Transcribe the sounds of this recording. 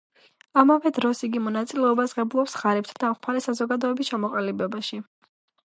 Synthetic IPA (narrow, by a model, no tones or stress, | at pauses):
amavɛd̪ɾɔsiɡimɔnat̪sʼilɛɔbasʁɛbulˠɔpsʁaɾɛp̚t̪ʰad̪amχʰaɾɛsazɔɡad̪ɔɛbist͡ʃʰamɔqʼalibɛbaʃi